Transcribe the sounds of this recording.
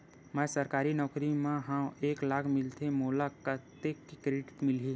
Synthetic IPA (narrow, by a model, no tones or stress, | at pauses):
mɛ̃səɾkaːɾinɔːkɾimẽɦãeːklaːkʰmɪlt̪ʰemoːlakət̪ekːikɾeʈɪʈ̪mɪlɦiː